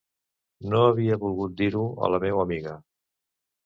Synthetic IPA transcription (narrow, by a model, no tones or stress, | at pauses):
noəβiəβulˠɣut̪̚d̪iɾuə̰ləmewəmiɣə